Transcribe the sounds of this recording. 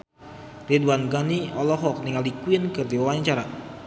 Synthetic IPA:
riduanɡaniɔlɔɦɔk̚niŋalikuinkɨrd̪iwawaɲt͡ʃaɾa

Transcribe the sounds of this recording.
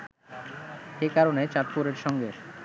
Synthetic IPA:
ekaɾonet͡ɕaʈ̚puɾeɾʃɔŋɡe

